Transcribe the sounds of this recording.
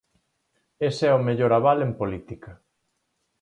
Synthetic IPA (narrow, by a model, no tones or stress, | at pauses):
esɛomeʎoɾaβalempolit̪ika